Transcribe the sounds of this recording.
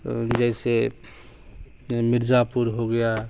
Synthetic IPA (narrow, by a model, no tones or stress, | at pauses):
d͡ʒɛɪse | mɪɾd͡ʒapuɾɦoɡəja